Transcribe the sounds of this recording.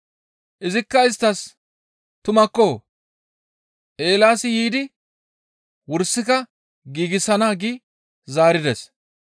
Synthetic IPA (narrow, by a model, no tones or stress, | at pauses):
ʔɪzɪkːɐɪst̪ːɐs | t̪ʊmɐkːoː | ʔe̞ːlaːsɪjiːd̪ɪ | wʊɾsːɪkɐ | ɡiːɡɪsɐnaːɡiː | zaːɾɪd̪ɛs